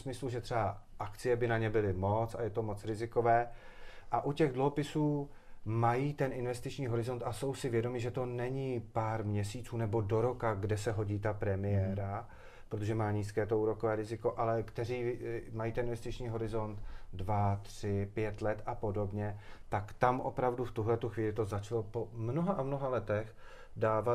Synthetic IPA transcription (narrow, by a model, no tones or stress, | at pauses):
smɪsluʒɛt̪r̥ɛbaʔakt͡sɪjɛbɪnaɲɛbɪlɪmo̞t͡sa̰jɛt̪o̞mo̞t͡sɾɪzɪko̞vɛːʔaʔucɛɣdluɦo̞pɪsuː | majiːt̪ɛnʔɪnvɛst̪ɪt͡ʃɲiːɦo̞ɾɪzo̞nt̪ʔaso̞wsɪvjɛdo̞mɪʒɛt̪o̞nɛɲiːpaːɾmɲɛsiːt͡suːnɛbo̞do̞ɾo̞kaɡdɛsɛɦo̞ɟiːt̪apɾɛmɪjɛɾa | pɾot̪oʒɛmaːɲiːskɛːt̪ouːɾo̞kovɛːɾɪzɪko̞ʔalɛkt̪ɛriːmajiːt̪ɛnɪnvɛst̪ɪt͡ʃɲiːɦo̞ɾɪzo̞nt̪dvat̪r̝̥ɪpjɛt̪lɛt̪apo̞do̞bɲɛt̪akt̪amʔo̞̰pɾavduft̪uɦlɛt̪uxviːlɪt̪o̞zat͡ʃlopomnoɦaʔamno̞ɦalɛt̪ɛx | daːva